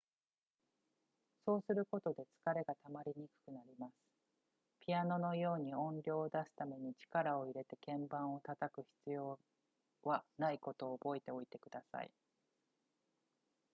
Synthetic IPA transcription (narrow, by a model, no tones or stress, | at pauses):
so̞ːsɨɾɯ̟ko̞t̪o̞d̪e̞t͡sɨ̥kaɾe̞ɡat̪amaɾʲiɲ̟ikɯ̥kɯ̟naɾʲimasɨ̥ | pʲiano̞no̞jo̞ːɲ̟iõ̞nɾʲo̞ːd̪asɨ̥t̪ame̞ɲ̟it͡ɕi̥kaɾao̞iɾe̞t̪e̞kẽ̞mbãɰ̃o̞t̪at̪akɯ̟çi̥t͡sɨjo̞ː | βanaiko̞t̪o̞ːbo̞e̞t̪e̞o̞it̪e̞kɯ̟d̪asa̰ḭ